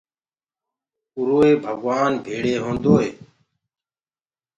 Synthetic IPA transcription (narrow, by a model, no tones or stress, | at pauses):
ʊɾoːeːbʱəɡʋaːnbʱeːɽeːɦõːnd̪oːɦeː